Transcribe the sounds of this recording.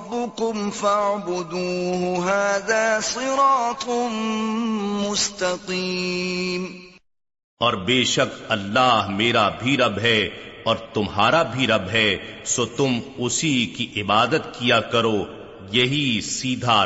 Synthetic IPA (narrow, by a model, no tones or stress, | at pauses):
bːʊkʊmfaʕbʊd̪uːɦʊɦaːðaːsɨɾɑːt̪ˤ | mʊst̪ɐqi | m | ɔːɾbeːʃɐkɐlːaːɦmeːɾabʱiɾɐbɦɛɔːɾt̪ʊmɦaːɾabʱiɾɐbɦɛsot̪ʊmʊsikiʔɪbaːd̪ət̪kijakɐɾoː | jɐɦisiːd̪ʱa